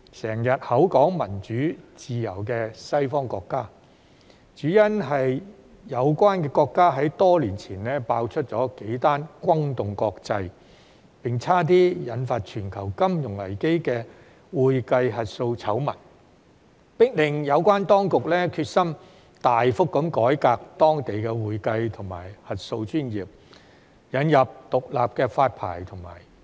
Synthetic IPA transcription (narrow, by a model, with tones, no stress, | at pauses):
sɛː˨˩ŋjɐ˨t̚hɐ˨˥wkɔː˨˥ŋmɐ˨˩nt͡ʃyː˨˥t͡siː˨jɐ̰˨˩wkɛː˧sɐ˥jfɔː˥ŋkɔ̰ː˧kːaː˥ | t͡ʃyː˨˥jɐ˥nɦɐ˨j | jɐ˨˧wkʷaː˥nkɛː˧kɔː˧kːaː˥ɦɐ˨˥jt̪ɔː˥liː˨˩nt͡sʰiː˨˩nlɛː˥paː˧wt͡ʃʰɵ˥t̚t͡sɔ̰ː˨˥ke˨˥jt̪aː˥nkʷɐ˥ŋt̪ʊ˨ŋkɔː˧k̚t͡sɐ˧j | pɪ˨ŋt͡sʰaː˥t̪̬iː˥jɐ˨˧nfaː˧t̚t͡ʃʰyː˨˩nkʰɐ˨˩wkɐ˥mjʊ˨˩ŋlɐ̰˨˩jke˥jkɛː˧ | wuː˨jkɐ˧jɦɐ˨t̚so˧wt͡sʰɐ˨˥wmɐ˨˩n̚ | pɪ˥k̚lɪ˨˩ŋjɐ˨˧wkʷaː˥nt̪ɔː˥ŋkʊ˨k̚lɛː˥kʰyː˧t̚sɐ˥m | t̪aː˨jfʊ˥kːɐ˨˥mkɔː˨˥jkaː˧k̚t̪ɔː˥ŋt̪e˨jkɛː˧wuː˨jkɐ˧jt̪ʰʊ˨˩ŋma̰ː˨˩jhɐ˨t̚so˧wt͡ʃyː˥njiː˨p̚ | jɐ˨˧njɐ˨p̚t̪ʊ˨k̚la̰ː˨p̚kɛː˧faː˧t̚pʰa̰ː˨˩jt̪ʰʊ˨˩ŋma̰ː˨˩j